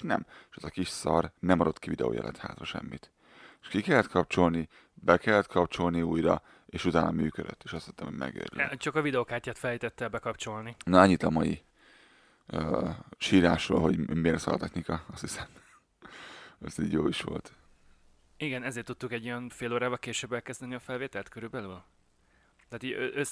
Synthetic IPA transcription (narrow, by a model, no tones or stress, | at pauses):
nɛmʃɛzɒkiʃsɒrnɛmɒd̪ot̪kivid̪ɛ̰o̰ːjɛ̰lɛ̰t̪ha̰ːt̪rɒʃɛ̰mːit̪ | eʃkikɛlːɛt̪kʰɒp̚t͡ʃo̞lni | bɛkɛlːɛt̪̚kʰɒpt͡ʃo̞lniuːjɾɒ | eːʃut̪aːnʔɒmyːkød̪ø̰t̪ːeːʃɒst̪it̪ːɛmhoɟmʔɛ̰ɡø̰ːɾl̰t͡ʃɒkɒvid̪ɛokaːrcaːt̪fɛljit̪ɛt̪ːɛlbɛkɒpt͡ʃo̞lninɒɛɲːit̪ɒmɒji | øʃiːɾaːʃro̰ːlɦo̞ɟmeːrt̪sɒ̰lt̪ɛxnikɒɒst̪hisɛm | ɛsḭːɟjoːiʃʋo̞̰lt̪ | iɡɛnɛzeːrt̪ut̪ːuŋkɛɟːojɒnfeːloːɾaːbɒlkeːʃøːbɛlkɛzd̪ɛniɒfɛlveːt̪ɛlt̪køɾybɛlyl | t̪aːt̪iːɟøʔøs